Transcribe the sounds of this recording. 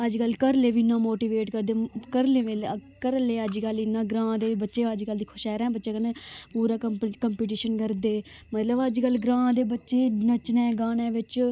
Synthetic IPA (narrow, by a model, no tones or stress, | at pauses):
əd͡ʒkəlkəɾleːʋinːãːmoːʈiːʋeːʈkəɾd̪eːkəɾlẽːʋeːlkəɾleːəd͡ʒkəlɪnːãːɡɾãːd̪eːbətːʃeːəd͡ʒkəld̪iːkʰʊʃɛːɾɛ̃ːbətːʃeːkənẽːpuːɾaːkəkəmpiːʈ̬iːʃənkəɾd̪eː | mət̪ləbəd͡ʒkəlɡɾãːd̪eːbətːʃeːnət͡ʃnɛ̃ːɡaːnẽːʋɪt͡ʃ